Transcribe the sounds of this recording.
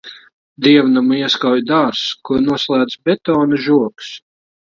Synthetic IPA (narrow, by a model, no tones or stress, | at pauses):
d̪iɛvnamuiɛskawjd̪aɾskuɾnuɔslˠæːd̪zbʲɛt̪ɔːnɨʒuɔks